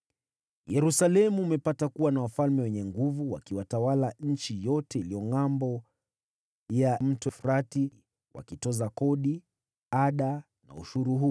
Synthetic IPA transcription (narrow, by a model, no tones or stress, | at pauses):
jɛɾusalɛmuːmɛpatakuwanawafalmɛwɛɲɛŋɡuvuwa̰kiwatawalaɲ̩t͡ʃijɔtɛilijɔŋambɔ | jam̩tɔfuɾati | wa̰kitɔzakɔɗi | aɗa | na̰ṵʃuɾuɦu